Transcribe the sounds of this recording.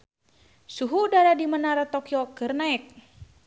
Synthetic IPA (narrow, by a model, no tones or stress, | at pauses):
suɦuːdaɾadimənaɾat̪okiɔkərnaɛk̚